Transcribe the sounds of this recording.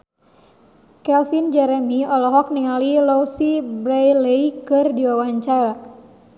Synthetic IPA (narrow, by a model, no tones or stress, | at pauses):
kɛlfind͡ʒɛɾɛmiɔlɔɦɔk̚niŋalilɔsibɾajlejkɨrdiwawaɲt͡ʃaɾa